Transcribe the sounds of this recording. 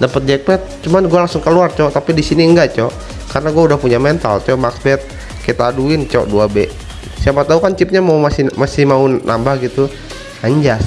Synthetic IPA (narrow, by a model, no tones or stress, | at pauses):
dapət̪̚d͡ʒɛk̚bɛt̪̚t͡ʃumanɡuɛlaŋsʊŋkəluart͡ʃɔt̪apidisiniəŋɡaʔt͡ʃɔ | karnaɡuaudahpuɲamɛnt̪a̰lt͡ʃɔmaksbɛt̪̚ | kɛt̪aːduɪnt͡ʃɔ̰ʔduabɛʔ | sjapat̪aukant͡ʃip̚ɲamaumasimasihmaunʔa̰mbahɡit̪u | aɲd͡ʒas